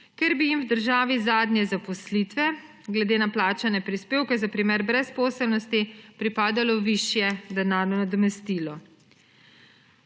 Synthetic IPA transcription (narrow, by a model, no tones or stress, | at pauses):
kɛɾbijimwd̪əɾʒaːʋizaːd̪nʲjɛzapɔslit̪ʋɛ | ɡlɛd̪eːnaplaːt͡ʃanɛpɾispeːwkɛzapɾimeɾbɾɛspɔːsɛlnɔst̪ipɾipaːd̪alɔʋiʃjɛd̪ɛnaːɾnɔnad̪ɔmɛst̪ilɔ